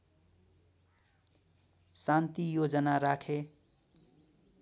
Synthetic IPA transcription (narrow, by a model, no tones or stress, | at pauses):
sant̪ijod͡ʒənaɾakʰe